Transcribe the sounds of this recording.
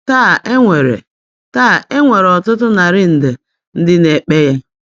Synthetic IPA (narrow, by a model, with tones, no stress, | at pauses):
taː˦˨ʔe˦ŋʷe˨ɾḛ˨ | taː˦˨e˦ŋʷe˨ɾɔ˨tʊ˦tʊ˦na˨ɾɪ˦n̩˨de˨ | n̩˦dɪ˦ne˨k͡pe˦ja˦